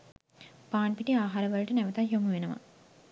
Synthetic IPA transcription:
paːɳpiʈiaːɦaːɾəʋɐlʈənæʋət̪aɦjomuʋenəʋa̰

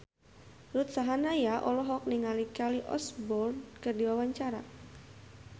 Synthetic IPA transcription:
rut̪̚saɦanajaʔɔlɔɦɔk̚niŋalikaliʔɔ̰sbɔrdkɨrdiwawaɲt͡ʃaɾa̰

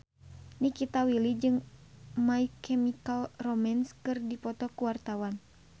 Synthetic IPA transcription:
nikit̪awilid͡ʒɨŋmaikʰɛmikalrɔmanskɨrdipɔt̪ɔkuwart̪awan

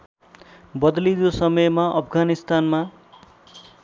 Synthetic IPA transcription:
bʌd̪lid̪osʌmʌjmaʔʌpʰɡanist̪anma

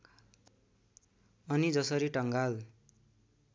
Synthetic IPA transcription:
ʌnid͡zʌsʌɾiʈʌŋɡal

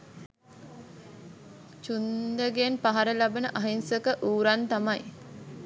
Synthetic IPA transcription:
t͡ʃund̪əɡenpaɦaɾəlabənəʔaɦinsəkəʔuːɾant̪amaj

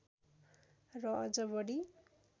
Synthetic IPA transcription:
rʌʌd͡zʌbʌɽi

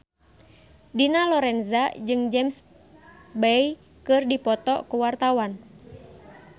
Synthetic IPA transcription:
dinalɔɾɛnzad͡ʒɨŋd͡ʒɛms | bɛj | kɨrdipɔt̪ɔ̰kuwart̪awan

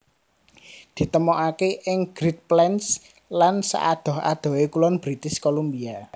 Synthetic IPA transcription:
d̪̥i̤t̪əmɔʔakeʔɪŋɡ̥ɾit̪̚plɛns | lansa̰ʔad̪̥ɔ̤ɦa̰d̪̥ɔ̤wekulɔnb̥ɾit̪ɪskolombia

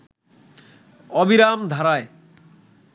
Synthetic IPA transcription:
ɔbiɾamd̪ʱaɾae

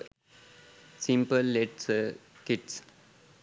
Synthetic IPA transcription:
sĩmpəlːeʈskɪʈs

